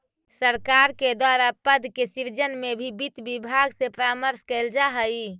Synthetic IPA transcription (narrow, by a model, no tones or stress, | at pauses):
səɾkaɾked̪waɾapəd̪ʱkesiɾd͡ʒənmebʱibit̪bibʱaɡsepɾaməɾskɛld͡ʒaɦəj